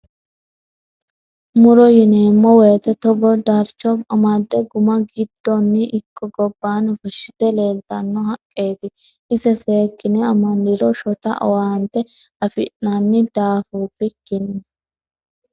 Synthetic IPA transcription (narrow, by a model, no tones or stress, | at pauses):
mʊɾɔjɪneːmːɔweːt̪ɛt̪ɔɡɔd̪aɾt͡ʃːɔbɐmad̪ːɛɡʊmɐɡɪd̪ːɔnːɪʔɪkʼːɔɡɔbːaːnfɔʃːɪ̥t̪ɛle̞ːlt̪ɐnːɔhɐkʼːeːt̪ɪ | ɪsɛse̞ːkːɪnɛɐmɐnɪɾɔʃɔt̪ɐ̰ʔɔwaːnt̪ɛ | ɐfɪ̰ʔnanːɪd̪aːfuːbɪkːɪnː